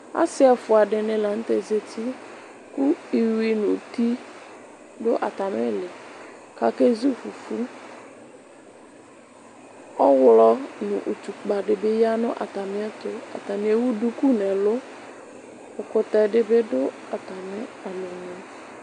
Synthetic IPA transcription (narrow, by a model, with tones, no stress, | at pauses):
a̰˦sɪ˦a˨fʊ˨a˨dɪ˨nɪ̃˨la˨n̩˦t̪e˨ze˨tʰi˦ | ku˦i˨wi˨nʊ˨t̪i˦ | dʊ˦ʔa̰˨t̪a˨mɪ˦lɪ˨ | ka˨ke˦zu˦˨fu˨fu˦ | ɔ˦wlɔ˦nʊ̃˨ʔu˨tu˨k͡pa˨dɪ˨bɪ˦ja˦nʊ̰̃˦ʔa̰˨t̪a˨mɪ˦ɛ˦t̪ʊ˦a̰˨t̪a˨mɪ̃˨ɛ˦wu˦du˦ku˦nɛ˨lʊ˦ | ʊ˨kʊ˨t̪ɛ˨dɪ˦bɪ˦dʊ˦ | a˨t̪a˨mɪ˦a˨lo˨ɲ˨˦